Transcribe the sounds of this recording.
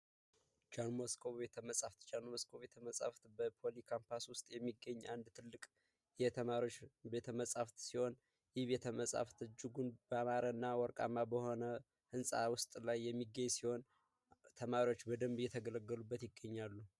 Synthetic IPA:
d͡ʒanmoskʰo̞βet̪ʰəməsʼaft̪d͡ʒanməskʰoβe̞t̪ʰəməsʼa̰ft̪bəpʰo̞likʰampʰaswʊst̪ʼjɛmːiɡːəɲːʔand̪t̪ʰɨlːɨkʼ | jɛt̪ʰəaot͡ʃbet̪ʰəməsʼaft̪siho̞n | jɪhβet̪ʰəməsʼa̰ft̪ʰɨd͡ʒɪɡunbəamaɾənːawɔɾkʼa̰mːabəho̞nə | hɨnsʼawʊst̪ʼlajːɛmːiɡəɲsiho̞n | t̪ʰəmaɾio̞t͡ʃːbəd̪əmbɨjːɛt̪ʰəɡələɡːəlubːət̪jɪɡːəɲːalːu

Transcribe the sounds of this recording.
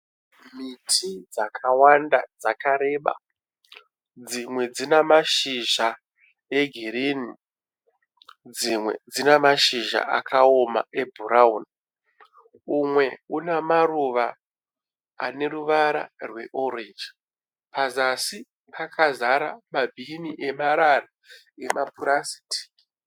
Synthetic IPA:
mitʰid͡zakʰawandad͡zakaɾe̞ːɓa̰ | d͡zimwe̞d͡zinamaʃiʒa | e̞ɡʱiɾiːni | d͡zimwe̞̰d͡zinemaʃiʒa̰a̰kʰao̞ma̰ʔe̞bʱuɾauni | umwe̞unamaruʋa | a̰ne̞ɾuʋaɾa̰rwe̞ʔoɾend͡ʒi | pazasi | pʰakʰazaɾamabʱiniʔe̞maɾara | emapuɾasi̥tʰi̥

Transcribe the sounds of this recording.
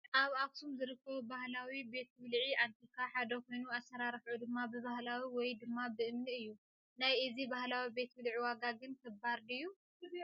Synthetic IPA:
ʔaβaft̪ʰumzɨɾɨkːɐβubahlawibe̞t̪̚wɨlʕiʔant̪ʰikʰaħad̪ɐkʰo̞jnuasːɐɾaɾħʕud̪ɨmːabɨβahlawiwɔjd̪ɨmːabɨʔɨmniɨjːu | najʔɨzibahlawibe̞t̪ʰwɨlʕiwaɡaɡɨnk̪ʰɐbaɾd̪iɨjːu

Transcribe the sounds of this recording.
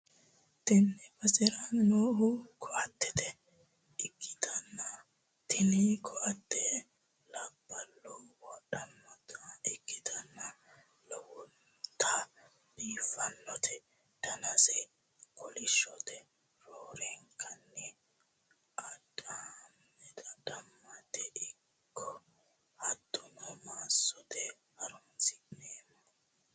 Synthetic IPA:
t̪ɪnːɛbɐsʼɪɾɐnnoːhʊkʰɔʔɐt̪ːɛt̪ɛ | ɪɡːɪ̥t̪ɐnːɐ | t̪ʰɪnikʰɔʔɐt̪ːɛ | lɐbːɐlːɔwɔɗɐnːɔt̪ɐɪɡːɪt̪ɐnːɐ | lɔwɔn | t̪ʰːa | biːfɐnːɔt̪ʰɛ | d̪̥ɐnɐsɛ | kʰɔlɪʃɔt̪ɛ | ɾoːɾɛŋkʰːɐnːɛ | ʔɐdam | ɛt̪ɐd̪̥ɐmːɐt̪ɛʔɪ | kʰːɔ | hɐd̪̥ːʊnɔmaːsːɔt̪ɛ | hɐɾʊnsɪʔneːmːɔ

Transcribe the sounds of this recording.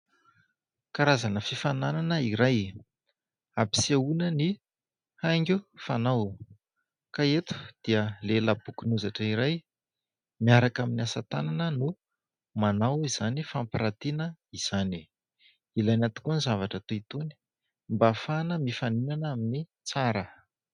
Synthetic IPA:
kaɾazanəfifanananəiɾaj | api̥siaunəni | haŋɡʲufanaw | kaet̪u̥d̪̥iəlelabukunuzaʈ͡ʂəiɾaj | miaɾakaminiasat̪a̰nanənu | manawiz̥anifampiɾat̪inəiz̥ani | ilanat̪i̥kunizavaʈ͡ʂət̪oit̪oni̥ | mbafanəmifaninanamini | t͡saɾə

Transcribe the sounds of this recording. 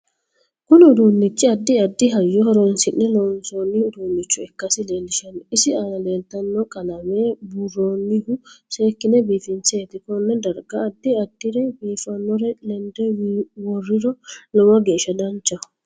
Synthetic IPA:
kʊnɪʊd̪uːnːɪt͡ʃːɪɐd̪ːɪɐd̪ːɪɦɐjːɔɦɔɾɔnsɪnːɛlɔnsoːnːɪʊd̪uːnːɪt͡ʃːʊɛkːɐsɪle̞ːlːɪʃɐnɪsɪaːnɐle̞ːlt̪ɐnːɔkʼɐlɐmeːbʊrːoːnːɪhʊse̞ːkːɪnɛbiːfɪnt͡seːt̪ɪkɔnːɛd̪ɐɾɡɐːd̪ːɪɐd̪ːɪɾɛbiːfɐnːɔɾɛlɛnd̪ɛwɔrːɪɾɔlɔwɐɡe̞ːʃɐd̪ɐnt͡ʃːɐ

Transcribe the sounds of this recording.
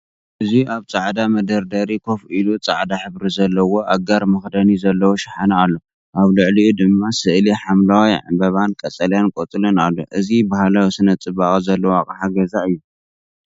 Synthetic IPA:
ʔɨziaβt͡sʼaʕd̪amɐd̪ɐɾd̪ɐɾikʰo̞filut͡sʼaʕd̪aħɨβɾizɐlːɐwo̞ʔaɡaɾmɨxd̪ɐnizɐlːɐwoʃɪħanaalːo̞ | ʔaβlɨʕliud̪ɨmːasɨʔliħamlawijʕa̰bɐβankʼɐt͡sʼɐljankʼot̪ʼɨlɨnalːo̰ʔɨzibahlawsɨnɐt͡sʼɨβakʼzɐlːɐwakʼħaɡɐzaʔɨjːu

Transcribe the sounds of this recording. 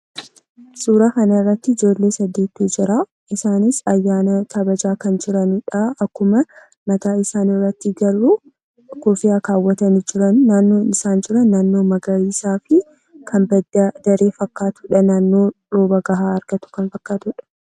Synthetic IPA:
suːɾaːkɐnɐɪrːɐt̪ːɪɪd͡ʒo̞ːlːeːsɐd̪ːeːt̪ːuːd͡ʒɪɾa | ʔɪsaːnɪsɐjːaːnɐkʰɐbɐd͡ʒaːkɐnd͡ʒɪɾɐnʊᶑaɐkːʊmɐ | mɐt̪aːɪsaːnɪrːɐt̪ːɪɡɐrːu | kɔfɪjaːkaːwːɐt̪ɐnɪd͡ʒɪɾɐnːaːnːo̞ːnɪsaːnd͡ʒɪɾɐnːaːnːo̞ːmɐɡɐɾiːsaːfɪ | kʰɐnbɐdɐd̪̥ɐɾeːfɐkːaːt̪ʊᶑɐnaːnːo̞ːᶑoːbɐɡɐɦaːɐɾɡ̥ɐt̪ʊ̥kɐnfɐkːaːt̪ʊᶑɐ̥

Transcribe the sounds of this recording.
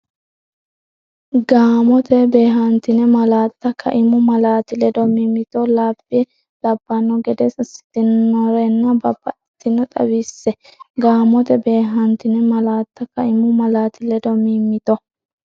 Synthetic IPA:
ɡaːmɔt̪ɛbe̞ːɦɐnt̪ɪnɛmɐlaːt̪ːɐkʰɐ̰ʔɪmʊmɐlaːt̪ɪlɛd̪ɔmiːmːɪt̪ɔlaːbːɪɛ | lɐbːɐnːɔɡɛd̪ɛsɪsɪ̥t̪ːɪnːɔɾɛnːɐbɐb̥ːɐʔɛt̪ːɪnɔt̪ʼɐ̰bisːɛɡaːmɔt̪ɛbe̞ːɦɐnt̪ɪnɛmɐlaːt̪ːɐkɐʔɪmʊmɐlaːt̪ɪlɛd̪ɔmimːɪt̪ɔ

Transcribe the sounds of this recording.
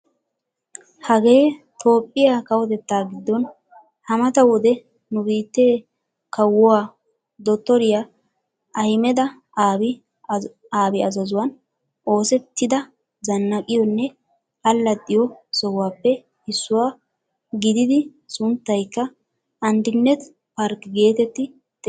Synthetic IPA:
hɐɡe̞ː | t̪ʰo̞ːpʼːɪjakɐwɔt̪ɛt̪ːaːɡɪd̪ːɔn | hɐmɐt̪ɐwɔd̪ɛ | nʊbiːt̪ːeː | kɐwɔwaː | d̪ɔt̪ːɔɾɪja | ʔɐjmɛd̪ɐ | aːbɪ | aːbɪɐzɐzʊwɐn | ʔo̞ːsɛt̪ːɪd̪ɐ | zɐnːɐkʼɪjɔnːɛ | ɐlːɐt̪ʼːɪjɔsɔwwaːpːɛ | ɪsːʊwaː | ɡɪd̪ɪd̪ɪ | sʊnt̪ːɐjkːɐ | ɐnd̪ɪnːɛt̪ | pɐɾkɡe̞ːt̪ɛt̪ːɪ | d̪̥ɛ

